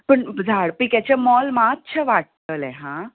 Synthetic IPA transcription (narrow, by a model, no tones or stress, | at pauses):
pəɳd͡zʱaɽpikat͡ɕamɔlmat̪ːt͡ɕʰəʋaʈ̚t̪əlɛ̃ɦã